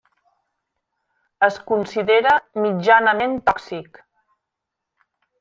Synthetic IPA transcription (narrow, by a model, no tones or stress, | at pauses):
əskunsiðeɾəmid͡ʒanəment̪ɔksik